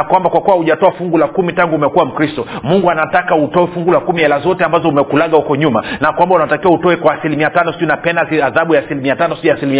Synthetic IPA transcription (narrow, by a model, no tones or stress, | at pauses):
akwambakwakuwahuʄatɔafuŋɡulakumitaŋɡuːmɛkuwam̩kɾistɔmuŋɡuanatakautɔwɛfuŋɡulakumiɛlazɔtɛambazɔumɛkulaɠahukɔɲumanakwambaunatakiwautɔwɛkwaːsilimiatanɔsiʄunapɛndasiaðaɓujaːsilimiatanɔsiujaːsilimi